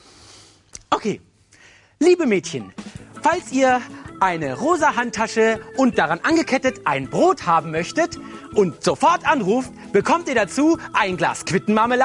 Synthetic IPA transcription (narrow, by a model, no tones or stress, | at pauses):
ʔokʰḛː | liːbəmɛːtçənfalsʔiːɐʔaɪnəʁoːzaɦantʰːaʃəʔʊnt̚d̥aʁanʔanɡəkʰɛtətʔaɪnbʁoːthaːbm̩mœçtətʔʊntz̥ofɔɐtʔanʁuːft | b̥əkʰɔmtiːɐdat͡suːʔaɪnɡla̰ːskv̥ɪtn̩maməla